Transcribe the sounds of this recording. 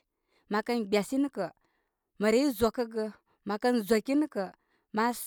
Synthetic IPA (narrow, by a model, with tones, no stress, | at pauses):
ma˨ka˦nɡ͡bʲa˨si˦ni˦kə˨ | ma˨ɾi˦i˦zʷa˨ka˦ɡə˦ | ma˨ka˦nzʷa˨ki˦ni˦kə˨ | ma˦s